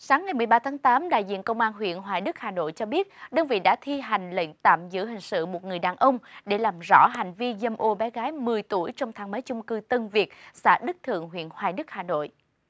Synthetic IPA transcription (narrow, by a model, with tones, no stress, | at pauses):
saː˨˦ŋːa˨˩jmɨ˨˩əjɓaː˧t̪ʰaː˨˦ŋt̪aː˨˦mɗa̰ː˧˨jzḭ˧˨ənkə˧wŋ͡mʔaː˧nɦwḭ˧˨ənɦwaː˨˩jɗɨ˦˥k̚haː˨˩no̰˧˨jt͡ɕɔ˧ɓi˦˥ət̚ɗəː˧nvḭ˧˨ɗa̰ː˧˥t̪ʰi˧ɦa˨˩jŋ̟lḛ˧˨ŋ̟t̪a̰ː˧˨mzɨ̰˧˥ɦï˨˩ŋ̟sɨ̰˧˨mo˨˩t̚ŋɨ˨˩əjɗaː˨˩nʔə˧wŋ͡mɗe˧˩laː˨˩mzɔ̰˧˥ɦa˨˩jŋ̟vi˧zə˧mʔo˧ɓɛ˨˦ɣaː˨˦jmɨ˨˩əjt̪u˧˩əjt͡ɕɔ˧wŋ͡mt̪ʰaː˨˦ŋməː˨˦jt͡ɕʊ˧ŋ͡mkɨ˧t̪ə˧nvi˨˩ək̚sa̰ː˧˥ɗɨ˦˥k̚t̪ʰɨ̰˧˨əŋɦwḭ˧˨ənhwaː˨˩jɗɨ˦˥k̚haː˨˩no̰˧˨j